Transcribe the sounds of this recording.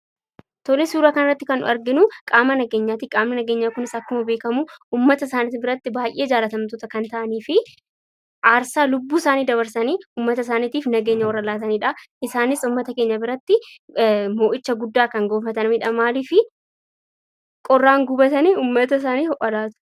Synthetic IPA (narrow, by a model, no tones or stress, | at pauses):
t̪ɔlɛsuːɾakɐnɐrɐt̪ːɪkɐnʊ̰ɐɾɡɪnʊkʼaːmɐnɐɡeːɲːaːt̪ikʼaːmnɐnɐɡeːɲːaːkʊnɪsɐkːʊmɐbe̞ːkɐmʊʔuːmːɐt̪ɐsaːnit̪ɪbɪɾɐt̪ːɪbaːjʔeːd͡ʒaːlɐt̪ɐmt̪ʊt̪ɐkɐnt̪ɐʔɐniːfɪ | ʔaːɾsaːlʊbːuːɪsaːniːd̪ɐβɐɾsɐniːuːmːɐt̪ɐs̬aːniːt̪iːfnɐɡe̞ːɲːɐwɐɾɐlaːt̪ɐniːᶑɐʔɪsaːnɪsʊmːɐt̪ɐke̞ːɲːɐbɪɾɐt̪ːɪ | mo̞ːʔɪt͡ʃːɐɡʊd̪ːaːkɐŋɡoːfɐt̪ɐnmɪᶑɐmaːliːfɪ | kʼɔrːaːŋɡʊbɐt̪ɐniːuːmːɐt̪ɐs̬aːniːhɔʔɐlaːt̪ʊ̥